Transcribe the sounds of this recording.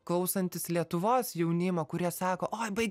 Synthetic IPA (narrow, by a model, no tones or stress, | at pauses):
klˠɐʊsɐnʲt̪ʲɪslʲiɛt̪ʊʋoːsjɛʊnʲɪmɐkʊɾʲiɛsɑːkoːʔoːjbɐɪɡʲ